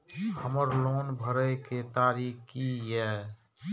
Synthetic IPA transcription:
həməɾloːnbʱəɾəket̪aːɾiːkkijɛː

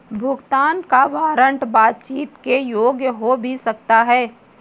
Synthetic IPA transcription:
bʱʊɡt̪aːnkaʋaːɾə̃ɳʈbaːt̪̚t͡ʃiːt̪kejoːɡjəɦobʱisɐk̚t̪aɦɛː

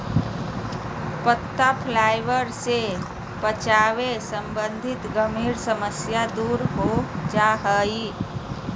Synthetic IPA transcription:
pət̪ːapʰlaːɪʋəɾse | pət͡ʃaːʋesəmbə̃nd̪ʱɪt̪ɡəmiːɾsəməsjad̪uːɾɦod͡ʒaɦəi

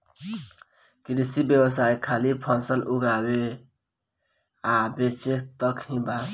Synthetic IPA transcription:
kɾisibjəwəsajkʰalipʰasəluɡawe | abet͡ʃekt̪əkhĩba

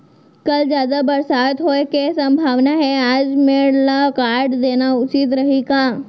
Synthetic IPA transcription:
kɐld͡ʒjaːd̪abɐɾsaːt̪ɦoekesɐ̃mbʱaːʋnaɦɛaːd͡ʒmẽɽlakaːɾɖd̪eːnaʊt͡ʃit̪ɾɐɦiɡaː

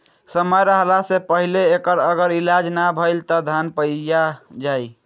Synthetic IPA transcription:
səməjɾəɦlasepəɦileːkəɾəɡəɾilad͡ʒnabʱəjlt̪ɔd̪ʱanpəjjad͡ʒaj

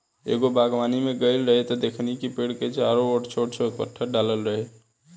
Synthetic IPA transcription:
ḛɡobaɡʋanimeɡəɪlɾəɦɛt̪ɔd̪ekʰnikipeɽket͡ʃaɾooʈt͡ʃʰoʈt͡ʃʰoekpə̰ʈʰːəɖaləlɾəɦɛ

